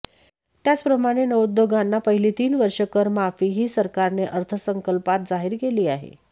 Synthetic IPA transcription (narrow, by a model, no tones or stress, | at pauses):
t̪jat͡spɾəmaɽ̃enəʋud̪ːoɡanːapəɦiliːt̪iːnʋəɾʂəkəɾmafiːɦiːsəɾkaɾneʔəɾt̪ʰəsəŋkəlpat̪̚d͡zaɦiɾkeliːaɦḛ